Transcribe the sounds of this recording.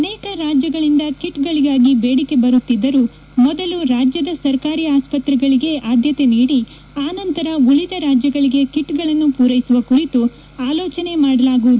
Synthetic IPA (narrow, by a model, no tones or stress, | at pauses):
ɐnɛːkɐɾaːd͡ʒjɐɡɐɭind̪ɐkiʈɡɐɭiɡaːɡibeːɽike̞bɐɾut̪ːid̪ːɐɾu | mɔd̪ɐluɾaːd͡ʒjɐd̪ɐsɐɾkaːɾiːaːspɐt̪ɾɛɡɐɭiɡe̞ʔaːd̪ʱjɐt̪e̞niːɽi | aːnɐnt̪ɐɾɐulid̪ɐɾaːd͡ʒjɐɡɐɭiɡe̞kiʈːɡɐɭɐnːupuːɾɐjisuʋɐkuɾit̪u | aːlɔːt͡ʃɐne̞maːɽɐlaːɡuʋud̪u